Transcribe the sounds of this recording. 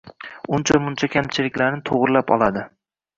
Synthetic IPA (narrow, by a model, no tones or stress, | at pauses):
ʊnt͡ʃʰamʊnt͡ʃʰakʲʰamt͡ʃʰɪlɪkʲlaɾnɪt̪ʰoʁɾɪlapɒ̰lˠad̪ɪ